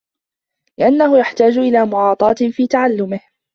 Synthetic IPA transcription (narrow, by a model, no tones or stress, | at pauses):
lɪʔanːahʊjaħt̪aːd͡ʒʔɪlaːmʊʕɑːt̪ˤɑːt̪fiːt̪aʕalːʊmɪh